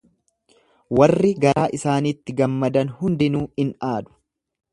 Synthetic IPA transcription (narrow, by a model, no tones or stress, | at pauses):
wɐrːɪɡɐɾaːʔɪsaːniːt̪ːɪɡɐmːɐd̪ɐnhʊnd̪ɪnuːɪnaːd̪ʊ̥